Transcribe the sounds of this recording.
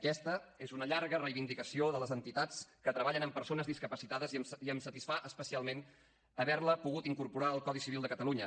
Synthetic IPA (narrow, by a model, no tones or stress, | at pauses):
əkɛst̪əezunəʎaɾɣərəjβind̪ikəsioðələzənt̪it̪at͡skət̪ɾəβaʎənəmpəɾsonəzðiskəpəsit̪aðəziəmsət̪isfaʔəspəsialˠmen | əβɛɾləpuɣut̪iŋkuɾpuɾaəlˠkɔðisiβilˠd̪əkət̪əluɲə